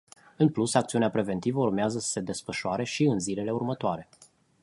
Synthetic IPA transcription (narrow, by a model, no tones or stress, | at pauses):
ɨnplusak̚t̪siuneapɾe̞ve̞nt̪ivəurmeazəsə̥se̞d̪e̞sfəʃoaɾe̞ʃiɨnzile̞le̞urmət̪oaɾe̞